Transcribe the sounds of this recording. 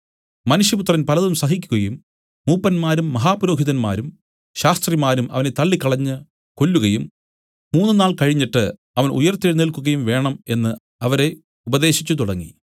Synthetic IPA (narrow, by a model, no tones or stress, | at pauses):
mɐnuʂjɐput̪rɐnpɐlɐðumsɐɦikʲːuɣɐjumː | uːpːɐnmaːɾumːɐɦaːpɾo̞ːɦiðɐnma̰ːɾum | ɕaːst̪rimaːɾumɐ̰ʋɐne̞t̪ɐɭːikːɐɭɐɲːɨ | ko̞lːuɣɐjumː | uːnːɨnaːɭkɐɻiɲːiʈːɨ | ɐʋɐnʔṵjɐrt̪ːiɭnilkuɣɐjumʋe̞ːɳɐme̞nːɨ | ɐʋɐɾe̞ | ubɐðe̞ːɕit͡ɕːut̪uɽɐŋːḭ